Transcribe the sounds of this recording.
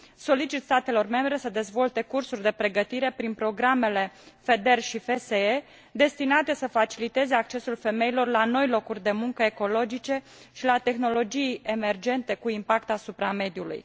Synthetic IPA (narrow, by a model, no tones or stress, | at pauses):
so̞lit͡ʃit̪st̪at̪e̞lo̞rme̞mbɾe̞səd̪e̞zvo̞lt̪e̞kursurʲd̪e̞pɾe̞ɡət̪iɾe̞pɾinpɾo̞ɡɾame̞le̞fe̞d̪e̞rʃife̞see | d̪e̞st̪inat̪e̞səfat͡ʃilit̪e̞ze̞ak̚t͡ʃe̞sulfe̞me̞ilo̞rlano̞jlo̞kurʲd̪e̞muŋkəe̞ko̞lo̞d͡ʒit͡ʃe̞ | ʃilat̪e̞xno̞lo̞d͡ʒije̞me̞rd͡ʒe̞nt̪e̞kuimpakt̪asupɾame̞d̪julṵj